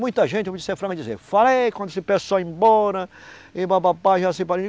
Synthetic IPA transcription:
mũj̃t̪ɐʒẽnt͡ʃ̪ɪd͡ʒisefɾɐ̃kɪd͡ʒizḛfalejkwɐ̃nd̪esɪpesoẽbɔɾɐɪbabapaʒasɪpaɾĩ

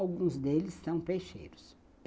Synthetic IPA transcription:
wɡũzd̪elɪsːɐ̃w̃pejʃḛjɾʊs

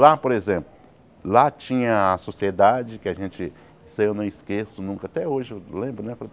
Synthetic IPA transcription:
lapoɾezẽplʊ | lat͡ʃĩɲɐːsosied̪ad͡ʒɪkɪaʒẽt͡ʃɪ | isɐewnɐ̃w̃iskesʊnũkɐat̪ɛoʒɪewlẽbɾʊnɛpɾɐ

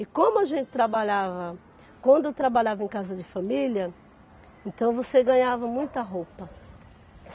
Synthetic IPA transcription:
ɪkõmʊɐʒẽnt͡ʃɪ̥t̪ɾabaʎavɐ | kwɐ̃nd̪ʊewt̪ɾabaʎavɐẽj̃kazɐd͡ʒɪfamiljɐ | ẽnt̪ɐ̃w̃voseɡɐ̃ɲavɐmũj̃t̪ɐɦowpɐ

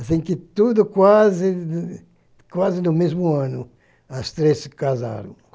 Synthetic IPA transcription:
asĩŋkɪt̪ud̪ʊkwazɪ | kwazɪnʊmezmʊãnʊ | ɐst̪ɾeskaza̰ɾɐ̰̃w̃

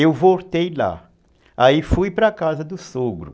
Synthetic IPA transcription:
ewvoɾt̪ejla̰ | aifujpɾɐkazɐd̪ʊsoɡɾʊ̰

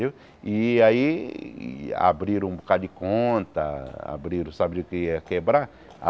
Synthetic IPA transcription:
e | iai | a̰bɾiɾ̃ũbukad͡ʒɪkõnt̪ɐa̰bɾiɾũsabd͡ʒʊkɪɛɐkebɾa | a̰

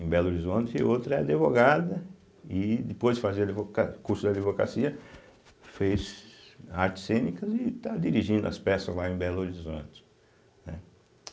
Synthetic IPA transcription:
ẽbɛloɾizõnt͡ʃ̪ɪɪ̰owt̪ɾɐɛad̪evoɡad̪ɐ | ɪd̪ɪpojzdɪfaziɾad̪ivokakuɾsʊd̪ad̪ivoka̰siɐ | fes | aɾt͡ʃɪ̥sːẽnikɐzɪt̪ad̪iɾiʒĩnd̪ʊɐ̰spɛsɐzlaẽbɛloɾizõt͡ʃ̪ɪ̥ | nɛ̰

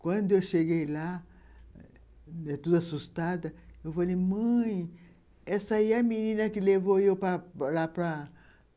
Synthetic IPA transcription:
kwɐ̃d̪ʊewʃeɡejla | ɛt̪ud̪asust̪ad̪ɐewfalejmɐ̃j̃ | ɛsɐiɐmĩnĩnɐkɪlevoewpɾɐlapɾɐ

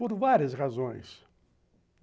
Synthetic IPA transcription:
poɾvaɾiɐsʁazõj̃s

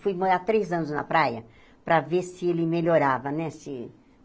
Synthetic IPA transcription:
fujmoɾat̪ɾejzɐ̃nʊznɐ̰pɾajɐ | pɾɐveɾsɪelɪmeʎoɾavɐnɛsɪ

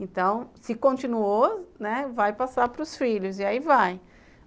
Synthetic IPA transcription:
ẽnt̪ɐ̃w̃sɪkõnt͡ʃinuonɛvajpasapɾʊsfiʎʊziaivaj

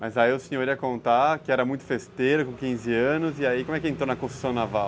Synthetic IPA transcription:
mɐjzaieʊsĩɲoɾiɐkõnt̪akɪɛɾɐmũj̃t̪ʊ̥fest̪eɾʊkõkĩzɪɐ̃nʊzɪaikõmʊ̃ɛkɪẽnt̪ɾonɐkõst̪u̥sɐ̃w̃navaw

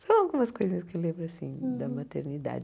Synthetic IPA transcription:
sɐ̃w̃awɡũmɐskojzɐskelẽmbɾʊasḭ̃d̪ɐmat̪eɾnid̪a̰d͡ʒ

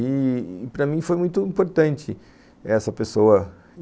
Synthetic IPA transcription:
ipɾɐmĩfojmũj̃t̪ʊĩmpoɾt̪ɐ̃nt͡ʃɪ | ɛsɐpesoɐ

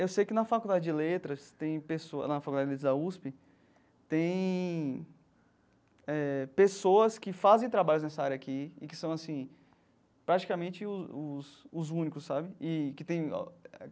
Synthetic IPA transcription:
ewsejkɪnɐfakud̪ad͡ʒɪd͡ʒɪlet̪ɾɐst̪ẽj̃peso̰ɐfakud̪ad͡ʒɪlet̪ɾɐzd̪auspɪ | t̪ẽj̃ | ɛpesoɐskɪfazẽj̃t̪ɾabaʎʊznɛsɐaɾjɐakiɪkɪ̥sɐ̃w̃asĩ | pɾat͡ʃi̥kamẽnt͡ʃɪʊʊsʊzũnikʊsːabɪɪkɪt̪ẽj̰̃

